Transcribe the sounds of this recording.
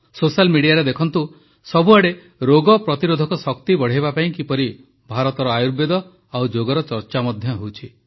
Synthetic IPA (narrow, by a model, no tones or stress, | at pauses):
sosalmiɽijaɾed̪ekʰɔnt̪u | sɔbʱuaɽe | ɾoɡɔpɾɔt̪iɾod̪ʱɔkɔsɔkt̪ibɔɽ̤ebapaĩkipɔɾi | bʱaɾɔt̪ɔɾɔajuɾbed̪ɔ | awd͡ʒoɡɔɾɔt͡ʃɔɾt͡ʃamɔd̪ʱjɔɦewt͡ʃʰi